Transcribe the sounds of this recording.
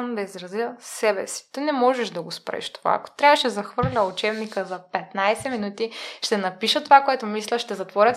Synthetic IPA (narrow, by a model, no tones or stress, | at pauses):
nod̪ɐizɾɐzjəsɛbɛsi̥t̪ənɛmɔʒɛʒd̪ɐɡospɾɛ̰ʃt̪o̥va̰ɐ̰ko̥t̪ɾʲavəʃɛzɐxvɤɾlʲɐut͡ʃɛbnikəzɐpɛt̪najsɛminut̪iʃt̪ɛnɐpiʃət̪ovakoɛt̪omislʲəʃt̪ɛzɐt̪vɔɾʲət̪